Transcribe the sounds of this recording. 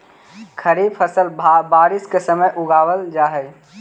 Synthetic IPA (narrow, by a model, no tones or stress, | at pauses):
kʰəɾiːbpʰəsəlbaːɾɪskesəməjʔʊɡaːwəld͡ʒaːɦəj